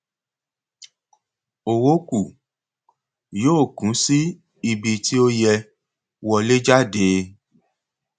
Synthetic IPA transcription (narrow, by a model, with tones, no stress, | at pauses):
o˨wo˦ku˦˨ | joː˦˨kũ˨˦si˦ | i˧bi˧ti˦o˦jɛ˧ | wɔ˧le˦d͡ʒa˦˨de˨˦